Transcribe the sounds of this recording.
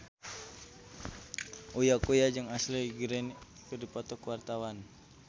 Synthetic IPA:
ʔujakujad͡ʒɨŋasliɡɾɛn | kɨrdipɔt̪ɔkəwart̪awan

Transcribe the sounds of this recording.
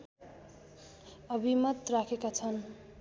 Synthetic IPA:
ʌbʱimʌt̪rakʰekat͡sʰʌn

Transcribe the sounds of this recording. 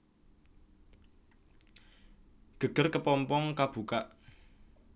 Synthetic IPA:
ɡ̥ə̤ɡ̥ə̤rkəpɔmpɔŋkab̥ukaʔ

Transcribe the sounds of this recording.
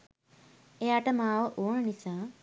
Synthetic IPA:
ejaːʈɐmaːʋəʔoːɳnisaː

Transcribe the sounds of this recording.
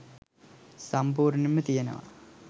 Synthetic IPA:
sɐmpuːɾnimːɨt̪ijɐnɐ̰ʋɐ̰

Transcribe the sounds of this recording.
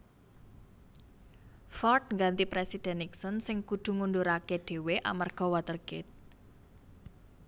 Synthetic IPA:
fɔrt̪̚ŋɡant̪ipɾesid̪̥ɛ̤nːiksənsɪŋkud̪̥ṳŋund̪uɾakeɖ̪̥e̤weʔamarɡ̥ɔ̤wat̪ərɡ̥ɪt̪̚

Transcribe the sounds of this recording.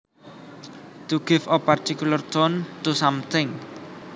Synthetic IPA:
t̪uɡ̥ɪfɔpart̪ikulərt̪ɔnt̪usamt̪ʰɪŋ

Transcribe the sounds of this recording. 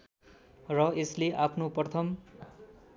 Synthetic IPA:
rʌesleʔapʰnoprʌt̪ʰʌm

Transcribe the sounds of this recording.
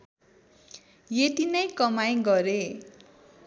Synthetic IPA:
jet̪inʌjkʌmajɡʌɾe

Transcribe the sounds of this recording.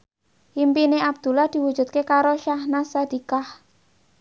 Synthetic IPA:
impineʔab̚d̪̥ṳlahd̪̥i̤wud̥ʒ̥ṳt̪̚kekaɾoʃahnasad̪̥i̤kah

